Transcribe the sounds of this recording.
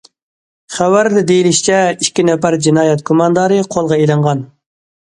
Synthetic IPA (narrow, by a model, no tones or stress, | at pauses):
χæwæɾd̪ɛd̪ejiliʃt͡ʃʰɛiʃkʲːinɛpæɾd͡ʒinɑːjɛt̪̚kʰomɑnd̪ɑːɾɨqʰolˠʁɑelɨɴʁɑn